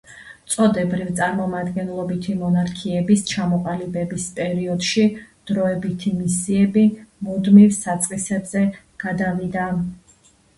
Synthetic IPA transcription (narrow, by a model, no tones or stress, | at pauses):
t̪sʼɔd̪ɛbɾivt̪sʼaɾmɔmad̪ɡɛnlˠɔbit̪ʰimɔnaɾkʰiɛbist͡ʃʰamɔqʼalibɛbispʼɛɾiɔd̪̥ʃid̪̥ɾɔɛbit̪ʰimisiɛbimud̪mivsat̪sʼqʼisɛbzɛ | ɡ̥ad̪avid̪a